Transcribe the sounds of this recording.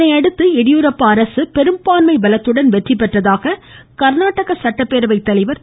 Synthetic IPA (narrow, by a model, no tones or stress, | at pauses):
ɐɪɐɽɯt̪ːɯɛɽɪjuɾɐpːaːɾɐsɯpɛɾɯmpaːnmɐɪbɐlɐt̪ːɯɽɐnʋɛʈrɪpːɐʈrɐðaːɣɐkɐɾnaːʈːɐɣɐsɐʈːɐpːeːɾɯʋɐɪt̪ːɐlɐɪʋɐɾ